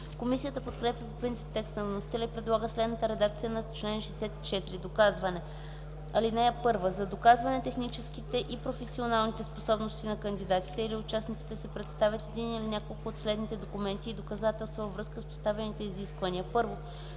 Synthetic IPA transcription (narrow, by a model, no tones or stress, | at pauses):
komisijət̪əpot̪kɾɛpʲjəpopɾint̪si̥p̚t̪ɛkst̪nəvnosi̥t̪ɛlʲəipɾɛd̪lˠaɡəslɛd̪nət̪əɾɛd̪ak̚t̪sijənɐist̪o̥t͡ʃlɛniɛʃɛsɛt̪i̥t͡ʃɛt̪iɾid̪okazvɐnɛ | ɐlinɛjəpɤɾvəzɐd̪okazvɐnɛt̪ɛxnit͡ʃɛskit̪ɛʔipɾofɛsionalˠnit̪ɛsposɔbnost̪inɐkənd̪id̪at̪i̥t̪ɛiliʊt͡ʃasnit̪si̥t̪ɛsɛpɾɛt̪st̪avʲjət̪ɛd̪inilinʲakolˠkʊot̪slɛd̪nit̪ɛd̪okʊmɛnt̪iːd̪okɐzat̪ɛlˠst̪vɐvɐvɾɤskəspo̥st̪avɛnit̪ɛiziskvɐnʲiəpɤɾvo